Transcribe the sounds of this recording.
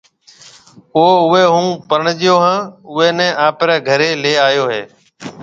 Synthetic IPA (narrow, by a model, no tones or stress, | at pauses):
oːʊʋeːɦũːpəɾɳd͡ʒɪjoːɦãːʊʋeːnɛ̃ːʔaːpɾɛːɡʱəɾeːleːaːjoːɦeː